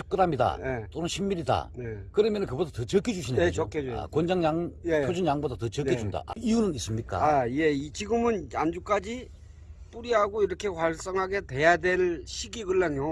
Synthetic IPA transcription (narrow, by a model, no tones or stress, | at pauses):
ɯ̥pk͈ɯɾamida̰jet͈onɯnɕʰimːiɾida̰nekɯɾɯmjʌnɯnkɯbodatʌt͡ɕʌkʰed͡ʑuɕʰineokʰḛkwond͡ʑaŋjaŋjpʰod͡ʑunjaŋbodatʌt͡ɕʌkʰed͡ʑunda̰ʔa̰ijunɯnis͈ɯmɲik͈a̰aje̞it͡ɕiɡɯmɯnja̰nd͡ʑuk͈ad͡ʑi | p͈uɾiɦaɡoiɾʌkʰe̞kwaɭs͈ʌŋɦaɡe̞te̞jadwe̞ɭɕʰiɡiɡɯɭːaŋjo